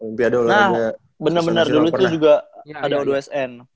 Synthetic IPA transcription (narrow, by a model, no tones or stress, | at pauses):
əmpiadaolna | bənərbənərduluit̪ud͡ʒuɡaːdaodoɛsɛn